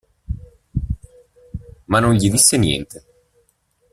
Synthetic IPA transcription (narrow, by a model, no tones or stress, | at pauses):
manonʎid̪isːenjɛ̰nt̪ʰe